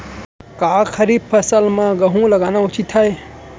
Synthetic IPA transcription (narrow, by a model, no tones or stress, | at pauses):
kaːkʰəɾib̚pʰəsəlmãɡɐɦũləɡaːnaʊt͡ʃit̪ʰːae